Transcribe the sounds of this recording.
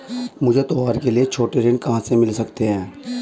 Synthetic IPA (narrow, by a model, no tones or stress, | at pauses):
mʊd͡ʒʱet̪oɦaːɾkeliet͡ʃʰoːʈeɾɪnkɐɦãsemɪlsɐkt̪eɦɛ̃ː